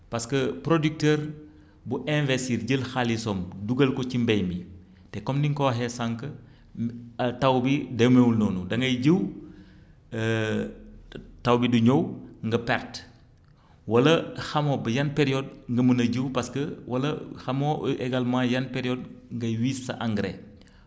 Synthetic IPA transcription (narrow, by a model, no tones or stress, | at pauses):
pɐskəpɾodik̚tɛːɾ | buʔɛ̃nvɛsiɾɟəlxalisɔmduɡɐlkɔcimbɛjmbi | tɛkɔmdiŋkɔɦɛsaŋkə | ɐtɐwbidɐmewulnɔːnudɐŋɡɐjɟəw | tɐwbiduɲowŋɡɐpɛɾt | wɐlɐxɐmoːbɐjɐnpeɾijɔd̚ŋɡɐmənɐɟəwpɐskəwɐlɐxɐmoeɡalmãːjɐnpeɾijɔd̚ŋɡɐjwisːɐ̰ʔaŋɡɾḛ